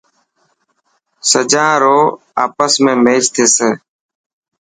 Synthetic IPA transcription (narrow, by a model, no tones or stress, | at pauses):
səd͡ʒãːɾoː | a̰ːpəsmẽːmeːd͡ʒt̪ʰeːseː